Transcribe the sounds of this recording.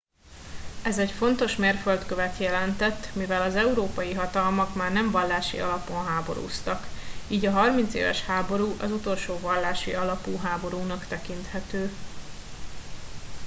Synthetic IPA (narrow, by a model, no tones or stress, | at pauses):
ɛzɛcfo̞nt̪o̞ʃmeːrfølt̪køvɛt̪jɛlɛnt̪ɛt̪ːmivɛlɒzɛuɾoːpɒjiɦɒt̪ɒlmɒkmaːrnɛɱvɒlːaːʃḭɒ̰lɒpo̞nɦaːbo̞̰ɾṵːst̪ɒkiːɟɒɦɒrmint̪sḛːvɛ̰ʃhaːbo̞ɾuːʔɒzut̪o̞lʃoːvɒlːaːʃḭɒlɒpuːɦaːbo̞ɾuːnɒkt̪ɛkint̪hɛt̪øː